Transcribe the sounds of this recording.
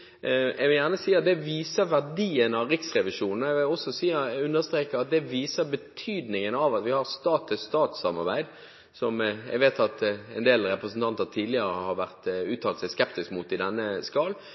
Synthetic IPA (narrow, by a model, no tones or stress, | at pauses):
ɛɡʋɪljæʁnəsiːɑt̪̚d̪ɛʋiːsəɾʋæʁɖiːənɑʋɾɪksʁɛʋɪʃuːnn̩ɛʋɪlɔsɔsiːəʉnːəɾst̪ɾeːkəɾɑt̪̚d̪ɛʋiːsəbət̪ʰyːd̪nɪŋənɑʋɑt̪ʋɪhɑɾst̪ɑːt̪ʰəst̪ɑːt̪sɑmɑ̰ɾbæɪd̪ | sɔmjæ̰ɡʋeːt̪ʰɑt̪ɛnd̪eːlɾɛpɾəsn̩t̪ɑnt̪ət̪ʰiːd̪lɪəɾəhɑɾʋæʁt̪ʉːt̪ʰːɑːlt̪sɛɪskɛp̚t̪ɪskmut̪ɪd̪ɛnːəskɑːl